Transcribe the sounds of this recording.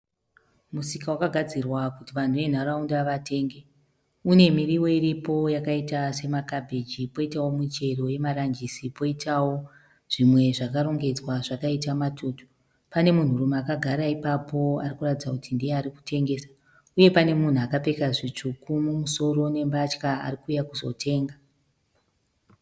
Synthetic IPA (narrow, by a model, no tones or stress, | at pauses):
musikawakaɡʱad͡zirwakutiʋan̤uʋe̞n̤aɾaundaʋatʰe̞ːŋɡe | une̞miriwo̞iɾipo̞jakaitase̞makabʱed͡ʒipo̞itawo̞mut͡ʃe̞ro̞je̞maɾand͡ʒisipo̞itʰawo̞ | ʐ̥imwe̞ʐakaɾo̞ŋɡe̞d͡zwaʐakaitamatʰutu̥ | pane̞mun̤urumakaɡʱaɾaipapʰo̞arikuratid͡zakutindieaɾiku̥tʰe̞ŋɡe̞ːsḁ | uje̞pane̞mun̤uakape̞kaʐit͡ʂukumumuso̞ɾo̞ne̞mbat͡ʃkaa̰rikujakuzo̞̰tʰe̞ːŋɡa